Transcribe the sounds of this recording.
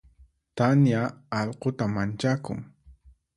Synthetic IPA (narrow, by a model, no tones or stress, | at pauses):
t̪anjaːʎqot̪amant͡ʃakʊ̰ŋ